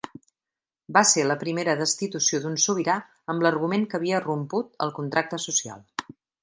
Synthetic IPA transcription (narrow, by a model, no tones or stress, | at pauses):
baseləpɾimeɾəðəst̪it̪usioðunsuβ̞iɾa | əmblərɣumeŋkəβiərumput̪̚ə̰lˠkunt̪ɾak̚t̪əsusia̰lˠ